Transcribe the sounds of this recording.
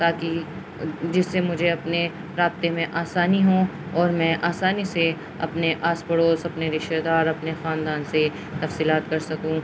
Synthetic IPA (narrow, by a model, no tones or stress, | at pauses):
t̪aːki | d͡ʒɪsːemʊd͡ʒʱeɐpne | ɾaːb̚t̪emẽʔaːsaːniɦõ | ɔːɾmɛ̃ːʔaːsaːnise | ɐ̰pneʔaːspəɽoːsɐpneɾɪʃed̪aːɾɐpnexaːnd̪aːnse | t̪ɐfsiːlaːt̪kɐɾsɐkũ